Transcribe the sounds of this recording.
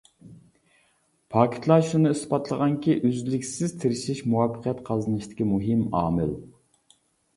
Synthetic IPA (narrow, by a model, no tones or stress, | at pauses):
pʰɑːkʲʰi̥t̪ʰlˠɑʃunɨispɑt̪ʰlˠəʁɑŋkʲʰiʔyzlɪkʲsɪz̥t̪ʰɪɾɪʃiʃmuwɑpʰːəqʰijɛt̪qʰɑzɨnɨʃt̪ʰɪ̥kʲimuɦɪmɑ̰ːmɪ̰l